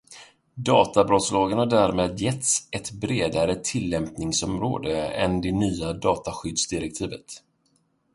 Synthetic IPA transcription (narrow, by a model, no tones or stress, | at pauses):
d̪ɑːt̪abɾɔt̪slɑːɡənhaɖæɾmeːd̪jɛt̪sɛt̪bɾeːd̪aɾət̪ʰɪlːɛmpnɪŋsɔmɾo̰ːd̪əɛ̰nd̪ɛnyːad̪ɑːt̪aɧʏd̪sd̪ɪɾɛk̚t̪ʰiːvət̪